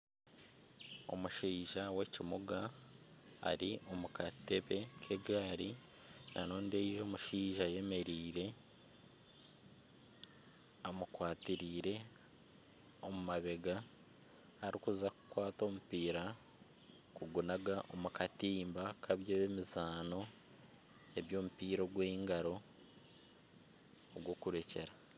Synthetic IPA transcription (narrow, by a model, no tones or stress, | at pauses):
o̞̰muʃiːʒawe̞cimuɡa̰ː | ɾiʔo̞mukate̞βe̞kʰe̞ɡaːɾi | nʔa̰noːndeiʒo̞ːmuʃiːʒaje̞me̞ɾiːɾe̞ | amukwaːtiɾiːɾe̞ | o̞mumaβe̞ɡaː | ɾikuzaku̥kwaːto̞ːmupiːɾa | kuɡunaɡaʔo̞mukatiːmbakʰaβjeβemizaːno̞ | e̞βjo̞ːmupiːɾo̞ɡweːŋɡaɾo̞ | ɡwo̞kuɾe̞ce̞ɾa